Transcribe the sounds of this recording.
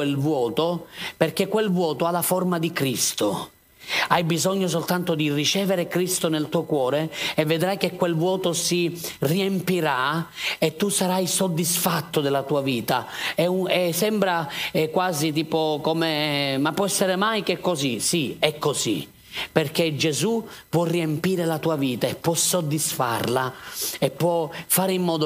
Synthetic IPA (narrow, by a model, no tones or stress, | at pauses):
elvwɔːt̪operk̟ekːwelvwɔːt̪oalːaformad̪ikɾist̪o | ajbizɔɲːos̬olt̪ant̪od̪irit͡ʃɛːveɾekɾist̪onelt̪uːokwɔːɾeːvːed̪ɾajk̟ekːwelvwɔːt̪osiriempiɾaet̪ːusaɾajsod̪ːisfat̪ːod̪elːat̪uːaviːt̪aɛɛsɛmbɾakwaːzit̪̬iːpokɔmemapːwɔɛsːeɾemajk̟ekːozisiɛkːozḭ | perk̟ed͡ʒezupwɔrːiempiːɾelat̪uːaviːt̪aɛpːwɔsːod̪ːisfa̰rlaɛpːwɔfaːɾimːɔːd̪o